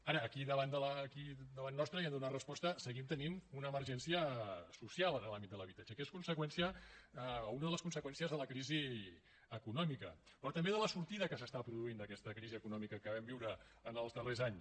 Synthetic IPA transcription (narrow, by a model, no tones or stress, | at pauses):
aɾəːkiðəβand̪ələːkid̪əβanːɔst̪ɾəɛmd̪unarəspɔst̪əsəɣimt̪ənimunəːməɾʒɛnsiəsusialˠənəlambit̪̚d̪ələβit̪ad͡ʒəkeskunsəkwɛnsiə | unəðələskunsəkwɛnsiəzðələkɾizi | əkunɔmikə | pɾɔt̪əmbeðələsuɾt̪iðəkəs̬əst̪apɾuðuind̪əkɛst̪əkɾiziəkunɔmikəkəβɛmbiwɾəː | nəlˠzðərezaɲs